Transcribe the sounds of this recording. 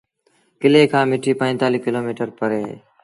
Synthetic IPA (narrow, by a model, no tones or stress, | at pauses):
kɪleːkʰãːmɪʈʰiːpə̃ːt̪aːliːkɪloːmiːʈəɾpəɾḛː